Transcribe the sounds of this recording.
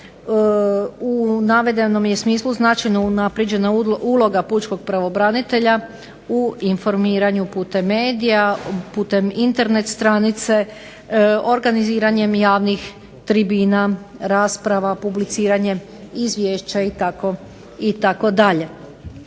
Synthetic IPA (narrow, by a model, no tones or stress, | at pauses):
unaʋe̞d̪e̞no̞mje̞smiːslˠuznat͡ʃajno̞unapɾjed͡ʑe̞naulˠo̞ɡapuːt͡ʃko̞ɡ̚pɾaʋo̞bɾanit̪e̞ʎa | uinfo̞ɾmiːɾaɲupuːt̪e̞mːe̞ːd̪ijapuːt̪e̞mint̪e̞ɾne̞t̪st̪ɾanit̪se̞ | o̞ɾɡaniziːɾaɲe̞mjaːʋnix | t̪ɾibiːnaɾaːspɾaʋapublit̪siːɾaɲe̞ | izʋjeːʃt͡ɕait̪ako̞ | it̪ako̞d̪aʎe̞